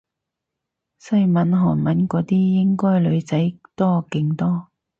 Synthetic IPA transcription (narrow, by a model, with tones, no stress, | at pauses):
sɐ˧˥jmɐ˨˥nɦɔː˨˩nmɐ˨˥nkɔː˨˥t̪iː˥jɪ˥ŋkɔː˥jlɵ˨˧ɥt͡sɐ˨˥jt̪ɔː˥kɪ˧ŋt̪ɔː˥